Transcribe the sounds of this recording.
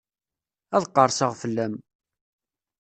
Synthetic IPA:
æðqːəɾˤsəʁfəlːæm

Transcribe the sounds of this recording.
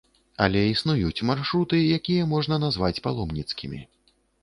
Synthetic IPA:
ɐ̰lʲɛisnujut͡sʲmarʂɾut̪ɨjakʲijɛmɔʐnɐnazvat͡sʲpalˠɔmnʲit̪skʲimʲḭ

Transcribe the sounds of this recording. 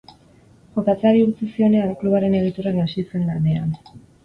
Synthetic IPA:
xokat͡seaɾiuɾt͡sisio̞ne̞aŋkluβ̞aɾe̞ne̞ɣ̞it̪uɾanasise̞nɡand̪e̞an

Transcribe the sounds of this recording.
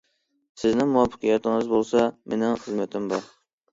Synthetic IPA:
sɪznɪŋmuwɑpʰːə̥qʰəjɑt̪ʰɪŋɨzbolˠsɑmenɪŋχəzmɛt̪ʰɪmbɑɾ

